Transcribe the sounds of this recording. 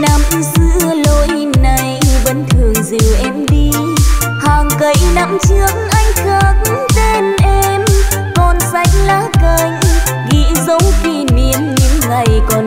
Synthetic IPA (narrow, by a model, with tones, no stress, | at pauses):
naː˧˩mʔɨ˧˦zɨ˧˥lo˧˨˦j | na˧˩jjɓə˨˦nt̪ʰɨ˨˩əŋzi˨˩əwʔɛ˧mɗi˧ | haː˨˩ŋkə˨˩˦jna˧˥mt͡ɕɨ˨˦˥əŋʔa˧jŋ̟xə˧˨˩t̚t̪e˧nʔɛ˧m | kɔ˨˩nsa˧˥jk̟̚laː˧˦kə˧˩j | ɣḭ˧˥zə˨˦wki˧ni˧˩əmɲɨ̰˧˥ŋːa˨˩jkɔ˨˩n